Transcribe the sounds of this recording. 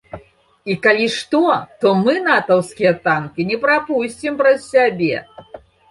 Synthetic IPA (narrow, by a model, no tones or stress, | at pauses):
ikalʲiʂt̪ɔt̪ɔmɨnat̪ɐwskʲijɐt̪ankʲinʲɛpɾapusʲt͡sʲimpɾɐssʲabʲɛ̰